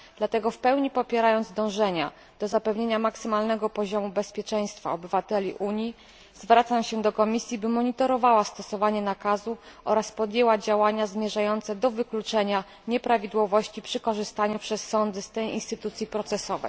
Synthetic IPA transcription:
d̪lat̪ɛɡɔfpɛwɲipɔpʲjɛɾajɔnd̪zd̪ɔ̃w̃ʐɛɲa̰ | d̪̥ɔzapɛvɲeɲamaksɘmalnɛɡɔpɔʑɔmubɛspʲjɛt͡ʂɛj̃st̪fa̰ɔbɘvat̪ɛlʲiʔuɲji | zvɾat̪samɕɛd̪ɔkɔmʲisʲjibɘmɔɲit̪ɔɾɔvawast̪ɔsɔvaɲɛnakazuʔɔɾaspɔd̪jewad͡ʑawaɲazmʲjɛʐajɔnt̪sɛd̪ɔvɘklut͡ʂɛɲa | ɲɛpɾavʲid̪wɔvɔɕt͡ɕipʂɘkɔʐɘst̪aɲupʂɛsːɔnd̪ɘst̪ɛjḭ̃nst̪ɘt̪ut̪sʲjipɾɔt̪sɛsɔvɛ̰

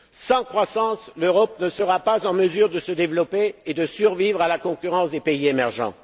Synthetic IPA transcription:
sɑ̃kχwasɑ̃sløʁɔp̚nəsəʁapazɑ̃məzyʁd̪əsəd̪evlɔpeːd̪əsyʁvivʁalakɔ̃kʲyʁɑ̃sd̪epeiemɛʁʒɑ̰̃

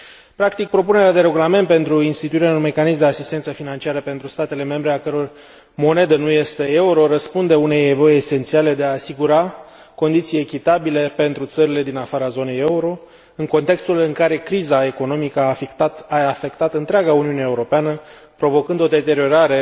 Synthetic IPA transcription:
pɾakt̪ik̚pɾo̞pune̞ɾead̪e̞ɾe̞ɡulame̞nt̪̚pe̞nt̪ɾuinst̪it̪uiɾeunme̞kanismd̪easist̪e̞nsəfinant͡ʃiaɾəpe̞nt̪ɾust̪at̪e̞le̞me̞mbɾe̞akəɾo̞r | mo̞ne̞d̪ənuje̞st̪e̞euɾo̞ɾəspund̪e̞une̞jevo̞jese̞nt̪siale̞d̪e̞aːsiɡuɾa | ko̞nd̪it̪sije̞kʲit̪abilepe̞nt̪ɾut̪səɾile̞d̪inafaɾazo̞ne̞je̞uɾo̞ | ɨŋko̞nt̪e̞kst̪ulɨŋkaɾe̞kɾizae̞ko̞no̞mikəaaafe̞kt̪at̪ɨnt̪ɾeaɡauniuneeuɾo̞peanə | pɾo̞vo̞kɨnd̪o̞d̪e̞t̪e̞ɾio̞ɾaɾe̞

